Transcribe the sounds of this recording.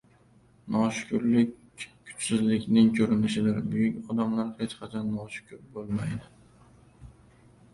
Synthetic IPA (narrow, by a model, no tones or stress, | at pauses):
nʔɒʃkʲʰʊɾlɪkʲ | kʰːʊ̥t͡ʃsɪzlɪkʲnɪŋkʲʰɵɾɪnɪʃɪd̪ɪɾbʊɡʲɪŋʲɒd̪amlaɾhet͡ʃqʰɑt͡ʃʰɒnːɒʃkʲʰʊɾbolˠmajd̪ɪ